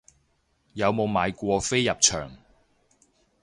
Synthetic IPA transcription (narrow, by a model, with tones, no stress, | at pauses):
jɐ˨˧wmo˨˧wmaː˨˧jkʷɔː˧fe˥jjɐ˨p̚t͡ʃʰœː˨˩ŋ